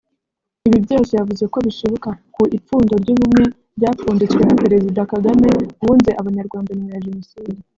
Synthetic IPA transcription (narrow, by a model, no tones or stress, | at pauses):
iβibɟoːsejavuzɡe̞ko̞βiʃoβokakuʔip͡fuːndo̞ɾɟuːβumŋe̞ | bɟaːfuːndut͡swe̞nape̞ɾe̞zidakaɡame̞βuːnzeʔaβaɲaɾɡwaːndanimjaʒe̞no̞siːdi